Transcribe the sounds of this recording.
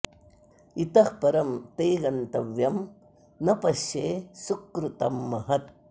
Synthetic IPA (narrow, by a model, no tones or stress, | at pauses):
it̪ɐhpɐɾɐmt̪ejɡɐnt̪ɐʋjɐm | nɐpɐʃjeːsukɾut̪ɐmːɐɦɐt̪̚